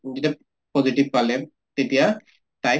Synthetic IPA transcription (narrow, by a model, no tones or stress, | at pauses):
zita | pɔzitib̚palɛ | tetija | ta